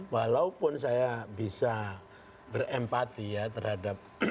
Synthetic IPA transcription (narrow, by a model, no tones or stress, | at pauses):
walaupʊnsajabisa | bərɛmpat̪ijat̪ərhadap̚